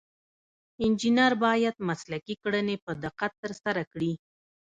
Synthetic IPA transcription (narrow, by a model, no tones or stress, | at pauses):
ɪnd͡ʒinaɾbɑjad̪̚maslakikɽənepəd̪ɪqat̪ːəɾsaɾakɽi